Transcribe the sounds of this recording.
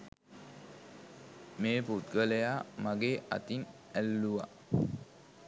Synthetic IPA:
meːput̪ɡələjamaɡeːʔa̰t̪in | ælːuʋa̰

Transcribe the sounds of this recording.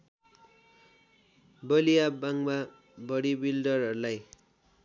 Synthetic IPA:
bʌlijabaŋma | bʌɽibildʌrɦʌɾulaj

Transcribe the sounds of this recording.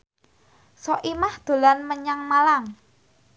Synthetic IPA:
sɔʔimahd̪̥o̤lanməɲaŋmalaŋ

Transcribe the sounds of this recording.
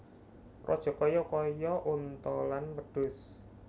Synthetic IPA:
rɔ̰d̥ʒ̥ɔ̤kɔjɔkɔjɔʔunt̪ɔlanpəɖ̥ʊ̤s

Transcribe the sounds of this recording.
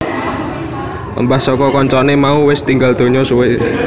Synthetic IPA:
ə̰mbahsɔkɔkɔɲt͡ʃɔnemauwɪst̪iŋɡald̪̥o̤ɲɔsuwe

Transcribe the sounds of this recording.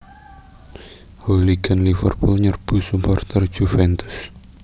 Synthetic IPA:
holiɡanlifərpʊlɲərb̥ṳsumpɔrt̪ərd͡ʒ̥ufɛnt̪ʊs

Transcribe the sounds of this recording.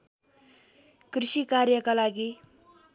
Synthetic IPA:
kɾiʃikaɾjəkalaɡi

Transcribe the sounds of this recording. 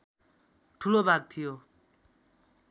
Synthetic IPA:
ʈʰulobʱaɡ̚t̪ʰijo

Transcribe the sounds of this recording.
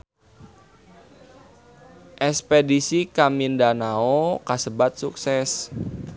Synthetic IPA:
ʔɛspedisikamindanaokasəbat̪̚suksɛs

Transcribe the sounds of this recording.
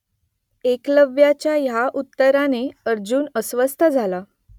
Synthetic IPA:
ekləʋjat͡ɕjajaʔut̪ːəɾaneəɾd͡ʑuːnəsʋəst̪ʰəd͡zʱala

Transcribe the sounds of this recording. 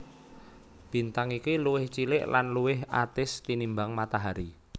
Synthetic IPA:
b̥i̤nt̪aŋikiluwɪht͡ʃilɪʔlanluwɪɦa̰t̪ɪst̪inimbaŋmat̪aɦaɾi

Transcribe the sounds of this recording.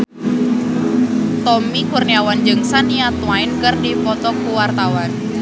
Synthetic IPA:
t̪ɔmikurniawand͡ʒɨŋsaniat̪waɪnkɨrdipɔt̪ɔkuwart̪awan

